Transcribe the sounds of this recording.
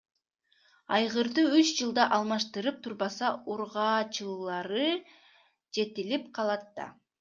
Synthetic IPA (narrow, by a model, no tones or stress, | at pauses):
ɑjʁɯɾd̪ɯyt͡ʃd͡ʒɯlˠd̪ɑʔɑlˠmɑʃt̪ɯɾɯp̚t̪ʰuɾbɑsɑuɾʁɑːt͡ʃɯlˠɑɾɯ | d͡ʒe̞t̪ilip̚qʰɑlˠɑt̪ːɑ̰